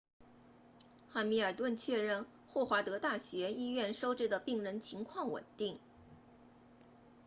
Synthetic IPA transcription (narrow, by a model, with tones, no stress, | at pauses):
xa˥˩nmi˧˥ə˞˨˩t̪wə˥˧nt͡ɕʰɥɛ˥˧ɻə˥˧n | xwɔ˥˩xwa˧˥t̪ɤ˧˥t̪a˥˩ɕɥɛ˧˥i˥ɥɛ˥˩nʂo˥ʊʈ͡ʂɻ̩˥˩d̪ə˨pi˥˩ŋɻə˧˥nt͡ɕʰi˧˥ŋkʰwɑ˥˩ŋwə̰˨˩nt̪i˥˩ŋ